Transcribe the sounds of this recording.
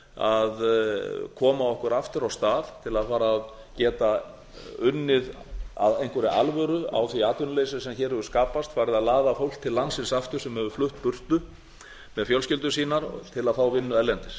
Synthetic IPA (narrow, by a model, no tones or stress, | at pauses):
a̰ð | kʰɔːmaɔhkʏɾaft̪ʏɾawst̪aːðt̪ʰɪlaðfaːɾað | cɛːt̪a | ʏnːɪð | a̰ðejnkvɛɾɪʔa̰lvœɾʏa̰wθiaːt̪ʏnlejsɪsɛmçɛːɾhɛvʏskaːpast̪faːjɾɪðaðlaːðafowl̥t̪ʰːɪllːansɪnsaft̪ʏ̥sɛmhɛvʏflʏht̪pʏr̥t̪ʏ | mɛðfjœlscɪlt̪̬ʏsiːnaɾt̪ʰɪlaðθawvɪnːʏɛlːɛnt̪ɪɾ̥